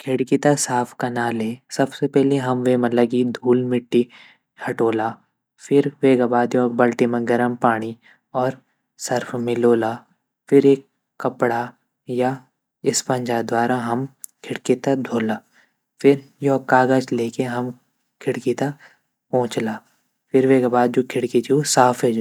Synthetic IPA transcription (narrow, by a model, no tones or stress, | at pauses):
kʰɪɽkit̪asaːpʰkɐnaːleːsɐbsepɛɦleɦɐmʋeːmɐləɡid̪ʱuːlmɪʈːi | hɐʈoːlaː | fʰɪɾʋeːɡabaːd̪iɔːɾbɐlʈimẽɡɐɾəmpaːɽ̃i | ɔːɾ | sɐɾpʰmɪloːla | fʰɪɾeːkː | ɐpɽa | ja | ɪspɐ̃ɲd͡ʒad̪waːɾaɦɐmkʰɪɽkit̪ɐd̪ʱoːlaː | fɪɾjoːkaːɡad͡ʒleːkeɦɐm | kʰɪɽkit̪ɐ | pɔ̃ːt͡ʃlaː | fʰɪɾʋeːɡabaːd̪̚d͡ʒoːkʰɪɽkit͡ʃʰiusaːpʰed͡ʒ